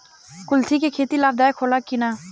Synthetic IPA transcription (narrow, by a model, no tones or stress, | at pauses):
kʊlt̪ʰiːkeːkʰeːt̪iːlaːb̚d̪aːekʰoːlaːkɪnaː